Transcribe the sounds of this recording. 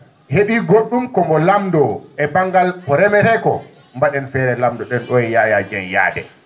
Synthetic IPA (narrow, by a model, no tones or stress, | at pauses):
heɓiɡoɗːumkɔmɔlamdɔɛbaŋɡalɔɾɛmɛɾɛkɔ | mbaɗɛnfɛːɾɛlamdɔɗɛnɗɔɛjaːjad͡ʒɛnja̰ːdɛ